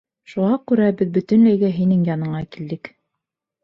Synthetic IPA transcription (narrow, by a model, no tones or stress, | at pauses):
ʃuʁɑkʉɾæbɘðbɵ̆t̪ɵ̆nlæjɡæɦinɘŋjɑnɤ̆ɴɑkild̪ɘk